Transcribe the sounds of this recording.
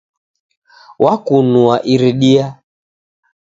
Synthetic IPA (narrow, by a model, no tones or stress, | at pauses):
wakunuaʔiɾiɗia